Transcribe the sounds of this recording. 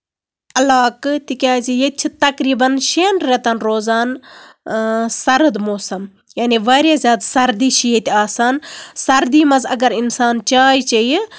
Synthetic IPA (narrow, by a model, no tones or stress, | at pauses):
ɐlaːkt̪ikʲaːzijet͡ʃʰit̪ɐkɾiːbɐnʃeːnɾet̪ɐnɾoːzaːn | sɐɾɨd̪moːsɐm | jaːniʋaːɾʲjazʲaːd̪sɐɾd̪iːʃijet̪ʲaːsaːnsɐɾd̪iːmɐzɐ̰ɡɐɾinsaːnt͡ʃaːjt͡ʃɐj